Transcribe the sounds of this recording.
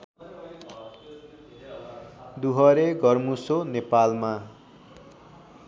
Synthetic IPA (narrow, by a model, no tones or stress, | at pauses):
d̪uɦʌɾeɡʌrmusonepalma